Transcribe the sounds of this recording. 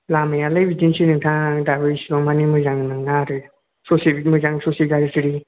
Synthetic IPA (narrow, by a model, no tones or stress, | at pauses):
lamajalɯjbidinsinɯŋtʰãdabɯjsibɔŋmanimɯzaŋnɯŋnaɾɯ | sɔsimɯzaŋsɔsiɡaɾitɯɾi